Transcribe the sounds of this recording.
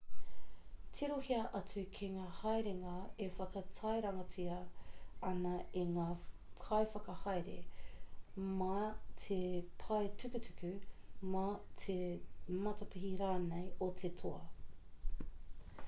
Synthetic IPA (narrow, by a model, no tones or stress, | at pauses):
tʰiɾohiɐʔɐt͡sʉkʰeŋaːhɐjɾeŋaefɐkɐtʰɐjɾɐŋɐt͡siɐɐnɐeŋaːkʰɐjfɐkɐhɐjɾḛ | mɐtʰepʰɐjtʉkʉtʉ̥kʉmɐtʰemɐtɐpiɦiɾaːnejotʰetʰoɐ